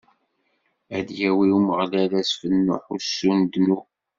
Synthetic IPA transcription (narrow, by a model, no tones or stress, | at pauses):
æd̪jæwiuməʁlælæsfənːʊ̰ħusːund̪nu